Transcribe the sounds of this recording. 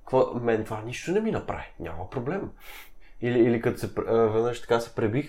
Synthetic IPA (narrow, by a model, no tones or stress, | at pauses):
kəkvɔmɛnt̪vanʲiʃt̪onɛminɐpɾa̰viɲʲa̰məpɾoblɛm | iliːlikɐt̪o̥sɛpvɛd̪nəʃt̪ɐ̥kasɛ̥pɾɛbix